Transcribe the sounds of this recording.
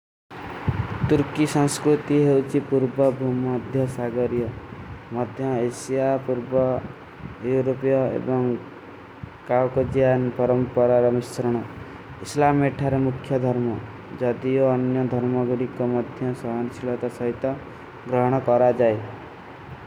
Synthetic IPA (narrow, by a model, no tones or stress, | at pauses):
t̪uɾkisɔ̃ŋskɾut̪iɦewt͡ʃʰipuɾbɔbʱumɔd̪ʱjɔsaɡɔɾijɔmɔd̪ʱjɔesijapuɾbɔ | juɾopijɔḛbɔŋ | kawkod͡ʒijanpɔɾɔmpɔɾaɾɔmisɾɔɽ̃ɔ | islameʈʰaɾemukʰjɔd̪ʱɔɾmɔ | d͡ʒɔd̪ioːnjɔd̪ʱɔɾmɔɡɔɽikɔmɔd̪ʱjɔsɔɦansilɔt̪asɔɦit̪ɔ | ɡɾɔɦɔɽ̃ɔkɔɾad͡ʒae